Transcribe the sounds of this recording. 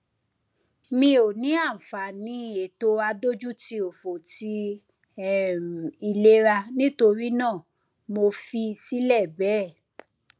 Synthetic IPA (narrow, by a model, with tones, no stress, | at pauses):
mĩ˧o˨nĩ˨˦a˦˨fa˨nĩ˨˦i˦˨je˨to˦a˧do˦d͡ʒu˦ti˧o˨fo˨ti˧˦˨ | i˧le˦ɾa˧nĩ˦to˧ɾi˦nãː˦˨ | mo˧fi˧si˦lɛ˦˨bɛ˨˦˨